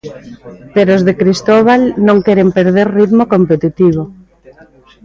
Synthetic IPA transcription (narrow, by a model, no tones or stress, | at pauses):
peɾoːzðekɾist̪oβ̞alnõŋkɛɾempeɾðeɾriðmokompet̪it̪iβ̞o